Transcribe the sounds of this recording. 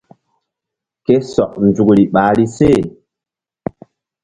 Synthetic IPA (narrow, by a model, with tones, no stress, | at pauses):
ke˦sɔ˨k̚n˨d͡zu˨kɾi˨ɓaː˨˦ɾi˦se˦˨